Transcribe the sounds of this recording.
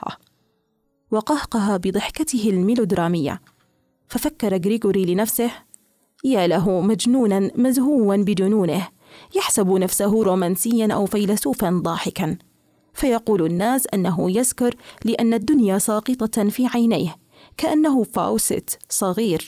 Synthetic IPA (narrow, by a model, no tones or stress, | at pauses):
a̰ | wɑqɑhqɑɦabɨd̪ˤɨħkat̪ɪhɪlmɪlʊd̪ɾaːmɪjːa̰ | fafakːɑɾˤaɡɾiɡuɾilɪnafsɪh | jaːlaɦʊmad͡ʒnuːnanmazhuːwanbɪd͡ʒʊnuːnɪh | jaħsabnafsaɦʊɾˤuːmaːnsɪjːanʔa̰wfajlasuːfand̪ˤɑːħɪkan | fajɑquːlɪnːaːsʔanːaɦʊjazkʊɾˤlɪʔanːad̪ːʊnjasˤɑːqɨt̪ˤɑfiːʕajnaːh | kaʔanːaɦʊfa̰ːwsɪ̰t̪sˤɑɣiːɾ